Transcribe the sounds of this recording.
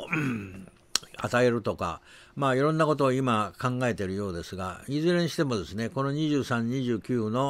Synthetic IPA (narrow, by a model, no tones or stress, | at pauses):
a̰t̪ae̞ɾɯ̟t̪o̞ka̰ | maːiɾõ̞nːako̞t̪o̞ːimakãŋɡae̞t̪eɾɯ̟jo̞ːd̪e̞sɨɡa̰izɨɾeɰ̃ɕi̥t̪e̞mo̞d̪e̞sɨneko̞no̞ɲ̟iʑɨːsãɲ̟ːiʑɨːkʲɨːno̞